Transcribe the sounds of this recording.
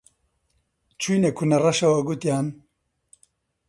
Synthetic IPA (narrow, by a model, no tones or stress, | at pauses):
t͡ʃʰujnekʰunɛrɐʃɐwɐɡut̪jaːn